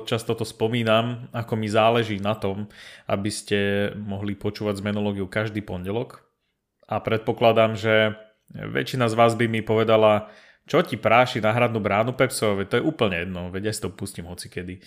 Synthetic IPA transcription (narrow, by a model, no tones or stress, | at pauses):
t͡ʃast̪ɔt̪ɔspɔmiːnamakɔmizaːlɛʒiːnat̪ɔma̰biscɛmɔɦlipɔt͡ʃuːʋaɟzmɛnɔlɔːɡiukaʒd̪iːpɔɲɟɛlɔk | ʔapɾɛt̪̚pɔklad̪amʒɛ | ʋɛ̰t͡ʃinazʋaːzbimipɔʋɛd̪ala | t͡ʃɔcipɾaːʃinaɦɾad̪nuːbɾaːnupɛpsɔaʋɛct̪ɔjɛʔuːpl̩ɲɛjɛd̪nɔʋɛɟjasi̥t̪ɔpuscimɦɔt͡sikɛd̪i